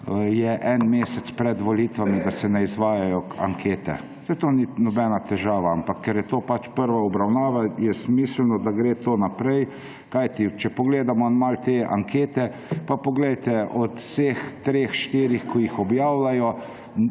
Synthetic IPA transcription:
jɛʔɛnmeːsɛt̪spɾɛd̪ʋɔliːt̪ʋamid̪asɛnɛizʋaːjajɔa̰ŋkʰeːt̪ɛ̰ | sɛjt̪oːninɔbɛnat̪ɛʒaːʋaampakʰːɛɾjɛt̪oːpat͡ʃpəɾʋaɔbɾawnaːʋajɛsmiːslnɔd̪aɡɾeːt̪oːnapɾɛj | kajt̪it͡ʃɛpɔɡleːd̪amɔnmalt̪eːa̰ŋkʰeːt̪ɛ | papɔɡlɛjt̪ɛʔɔt̪seːxt̪ɾeːxʃt̪iːɾixkɔjixɔbjaːwlajɔ

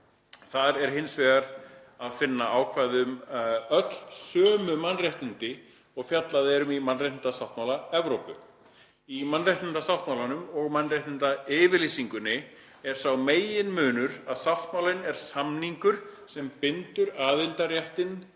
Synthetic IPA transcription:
θaðɛɾ̥hɪnsvɛːɣaɾ | aðfɪnːaʔaːwkʰvaːjðʏmœt̪lsœːmʏmanːraht̪ɪnt̪ɪ | ɔɣfjat̪laðɛɾʏmimanrajht̪ɪnt̪asawht̪mawlaɛvɾowpʏ | imanːrajht̪ɪnt̪asawht̪mawlanʏmɔɣmanːraht̪nɪnt̪aɪːvɪɾlisiŋkʏnːɪ | ɛɾ̥sawmeːjɪnmʏːnʏɾaðsawht̪mawlɪnɛɾ̥samniŋkʏɾ̥sɛmpɪnt̪ʏɾaːðɪlt̪arjɛht̪ɪn

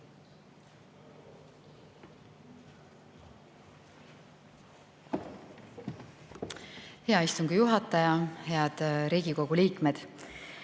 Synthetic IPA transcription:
he̞ɑist̪uŋɡ̥ijuɦɑt̪ːˑɑjɑhe̞ɑd̪̥ɾiːɡ̥iko̞ɡ̥uliːkˑme̞d̪̥

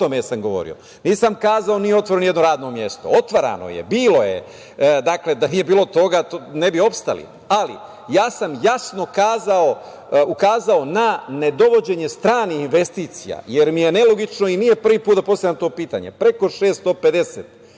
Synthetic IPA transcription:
t̪omesamɡo̞ʋo̞̰ɾḭo̞̰ | niːsamkaːzao̞nijeo̞t̪ʋoɾenoje̞d̪no̞ɾaːd̪no̞mje̞st̪o̞̰ot̪ʋaɾa̰no̰jḛbiːlo̞jḛ | d̪akle̞d̪aniːjebiːlo̞t̪o̞ɡaonebio̞pst̪a̰lḭ | alḭ | jaːsamjasno̞kaːzao | ukaːzao̞nane̞d̪o̞ʋo̞d͡ʑe̞ɲe̞st̪ɾaːniinʋe̞st̪iːt̪sḭja̰jeɾmije̞nelo̞ɡit͡ʃno̞inijepr̩ʋiːpuːt̪d̪apost̪avjamt̪o̞ːpiːt̪a̰ɲe̞̰pɾe̞ko̞ʃeːst̪d̪o̞ped̪e̞set̪

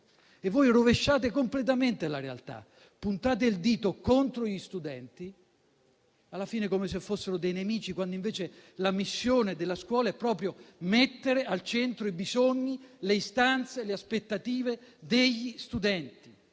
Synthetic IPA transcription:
evːojroveʃːaːt̪ekomplet̪̬ament̪elaɾea̰lt̪a̰ | pːunt̪aːt̪̬eild̪iːt̪okont̪ɾoʎist̪ud̪ɛnt̪i | alːafiːnekomes̬efːosːeɾod̪ejnemiːt͡ʃikwand̪oĩɱveːt͡ʃelamisːjoːned̪elːaskwɔːlaɛpːɾɔːpɾjomet̪ːeɾealt͡ʃent̪ɾoibizoɲːileist̪ant̪seleaspet̪ːat̪iːved̪eʎːist̪ud̪ɛnt̪i

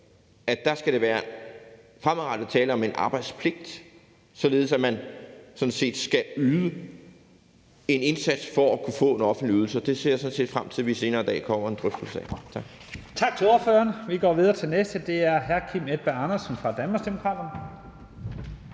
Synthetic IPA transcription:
ædd̥æ̈sɡ̥æɾ̥e̝ʋæːɐ | fʁamʁɑ̈d̥ðt͡sʰɛːləɒ̽me̝nʔɑ̈ːb̥ɑ̈ɪd̥spʰle̝ɡ̥̚d̥ | sɒ̽le̝ːð̞̩ˠsæmænsɒ̽nse̝̰ːd̥sɡ̥æyːðˠə | e̝ne̝nsæd̥sfɒækʰufɔ̰̽ːe̝nɒ̽fn̩d̥liyð̞ˠl̩sɐd̥e̝se̝ɐ̰sɔ̽nse̝̰ːd̥fʁamt͡sʰiðˠʋise̝ːnɐːd̥ɛ̰ːkʰɒ̽m̰ɐe̝nd̥ʁœfd̥l̩sɛ̰t͡sʰɑ̈ɡ̥ | t͡sʰɑ̈ɡ̥t͡sʰe̝loɐføːɐnʋiɡ̥ɒ̰ːʋið̞ˠɐt͡sʰe̝lnesd̥əd̥e̝æɐɦæɐkʰimed̥̚b̥æɑnɐsn̩fʁɑ̈d̥ænm̥ɑsd̥emokʰʁɑ̈d̥ɐn

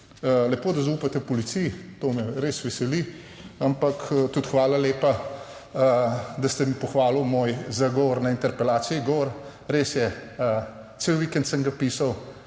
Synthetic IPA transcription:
əlɛpoːd̪ɐzauːpat̪ɛpɔlit̪sijit̪oːmɛɾeːsʋɛsɛli | ampɐkt̪ut̪xʋaːlaleːpa | d̪ɐst̪ɛmipɔxʋaːlumoːjzaɡɔʋɔɾnaint̪ɛɾpɛlaːt̪siiɡɔʋɔɾ | ɾesjɛə | t̪sewʋikɛnt̪səŋɡɐpisaw

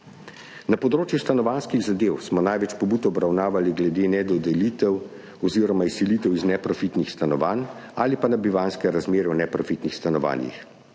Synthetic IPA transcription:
napɔd̪ɾoːt͡ʃjust̪anɔʋanskiɣzad̪eːwsmɔnajʋɛt͡ʃpɔbuːt̪ɔbɾawnaːʋaliɡlɛd̪eːnɛd̪ɔd̪ɛliːt̪ɛw | ɔziɾɔmaisiliːt̪ɛwiznɛpɾɔfit̪nixst̪anɔʋan | aːlipanabiʋanskɛɾazmeːɾɛwnɛpɾɔfit̪nixst̪anɔʋa̰ːnjḭx

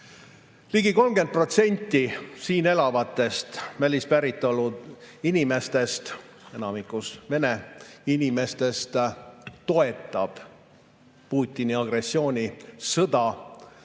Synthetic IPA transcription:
liɡiko̞lmɡe̞nd̪̚pro̞t̪se̞nʲt̪ːisiːne̞lɑvɑt̪ːˑe̞st̪vælʲispæɾit̪ˑːo̞lu | inʲime̞st̪e̞st̪ | e̞nɑmikˑusve̞ne̞inʲime̞st̪e̞st̪t̪o̞e̞t̪ːˑɑb̥ | puːt̪ʲːˑiniɑɡre̞sːio̞ːnʲisɤd̪̥ɑ

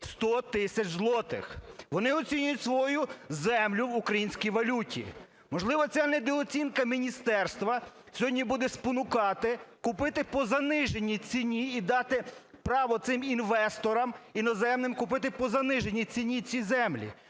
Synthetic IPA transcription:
st̪ɔt̪ɪsʲɐt͡ʃzlˠɔt̪ɪ̰xʋɔnɪɔt͡sʲinʲʊjʊtʲsʋɔjuzɛmlʲʊʋʊkɾɐjinʲsʲkʲijʋɐlʲutʲḭ | mɔʒlˠɪʋɐt͡sʲanɛd̪ɛɔt͡sʲinkɐmʲinʲist̪ɛrst̪ʋɐ | sʲɔɦɔdʲnʲibud̪ɛspɔnʊkɑt̪ɪkʊpɪt̪ɪpɔzɐnɪʒenʲːit͡sʲinʲiːd̪ɑt̪ɪ | pɾɑʋɔt̪sɪminʋɛst̪ɔɾɐminɔzɛmnɪmkʊpɪt̪ɪpɔzɐnɪʒenʲːit͡sʲinʲit͡sʲizɛmlʲḭ

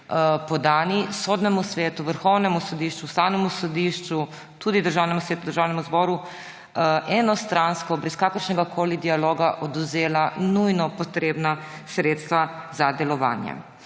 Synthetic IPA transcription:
pɔd̪aːnisod̪nɛmusʋeːt̪uʋəɾxɔwnɛmusɔd̪iʃt͡ʃust̪aːwnɛmusɔd̪iːʃt͡ʃu | t̪uːd̪id̪əɾʒaːwnɛmusʋeːt̪ud̪əɾʒaːwnɛmuzbɔːɾu | ʔɛnɔst̪ɾanskɔbɾɛskaːkəɾʃnɛɡakʰoːlid̪ialoːɡaʔɔd̪uzeːlanujnɔpɔt̪ɾeːbnasɾeːt̪st̪ʋazad̪ɛlɔʋa̰ːnjɛ̰

